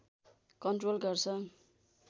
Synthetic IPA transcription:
kʌnʈrolɡʌrt͡sʰʌ

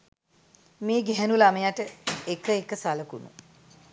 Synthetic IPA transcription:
meːɡɛɦænulaməjaʈəekəekəsaləkunṵ

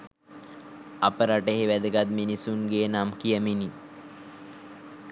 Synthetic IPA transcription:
apəɾaʈeɦeʋæd̪əɡat̪̚minisunɡeːnamkijəmini

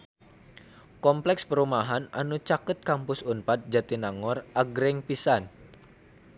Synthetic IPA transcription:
kɔmplɛkspəɾumaɦana̰nut͡ʃakət̪̚kampʊsunpat̪̚d͡ʒat̪inaŋɔraɡɾɪŋpisan

